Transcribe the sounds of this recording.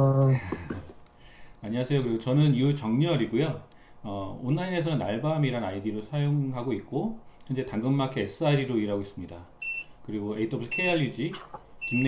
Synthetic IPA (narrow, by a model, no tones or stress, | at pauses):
aɲiwasʰe̞jokɯɾiɡot͡ɕʌnɯniut͡ɕʌŋɲʌɾiɡojo | ʌonːaine̞sʰʌnɯna̰ɭbamiɾanajdiɾosʰajoŋɦaɡoit̚k͈oind͡ʑe̞taŋɡɯmːakʰees͈ɯaidiɾoiɾɦaɡois͈ɯmɲidakɯɾiɡoe̞itʰʌbusʰʌ̥kʰejʌʎːid͡ʑikinː